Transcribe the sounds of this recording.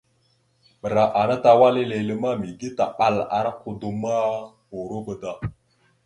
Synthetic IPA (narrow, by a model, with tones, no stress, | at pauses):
ɓə˨ɾa˨ʔa˨na˦ta˨wa˦li˦le˨lə˦ma˦mi˨ɡi˦ta˨ɓa˨la̰˨ɾa˦ku˨du˨ma˦ | o˨ɾo˦bə˦da˦